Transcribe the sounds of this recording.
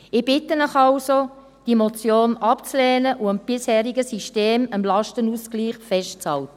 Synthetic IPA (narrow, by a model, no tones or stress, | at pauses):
ɪb̥ɪtənəχɑlso | d̥imot͡sjoːnɑpt͡slɛːnəʔʊəmb̥ɪshɛːɾiɡəsiʃteːməmlɑʃtənuskliːχfɛʃt̚t͡shɑltə